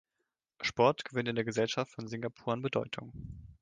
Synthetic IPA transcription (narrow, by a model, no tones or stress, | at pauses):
ʃpɔɐtɡ̥əvɪntɪndeːɐɡəzɛlʃaftfɔnzɪŋɡapʰuːɐanbədɔʏtʰʊŋ